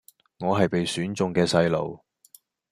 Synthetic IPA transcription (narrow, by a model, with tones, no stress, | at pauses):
ŋɔː˨˧ɦɐ˨jpe˨jsyː˨˥nt͡sʊ˨ŋkɛː˧sɐ˧jlo̰˨w